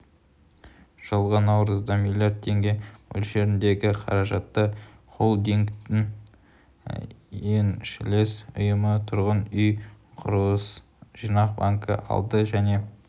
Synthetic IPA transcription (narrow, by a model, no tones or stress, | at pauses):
ʒ̥əlˠʁənɑwɾəzd̪ɑmilʲjiardt̪̚t̪ʰːe̞ŋɡʲe̞wɵ̰lʒe̞ɾɪnd̪e̞ɡʲɪqʰɑ̰ɾɑʒɑt̪ːə | qʰo̞lˠd̪eŋkt̪ɪŋ | enʃɪle̞sʊ̰jəmət̪ʰʊɾʁənʏj | qʰʊ̰ɾwəs | ʒ̥inɑqbaŋkə̰ʔɑ̰lˠd̪əʒæne̞